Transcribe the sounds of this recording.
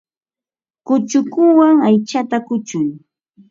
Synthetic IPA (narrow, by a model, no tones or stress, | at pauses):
kʊt͡ʃʊkʊwaŋajt͡ʃat̪akʊt͡ʃʊj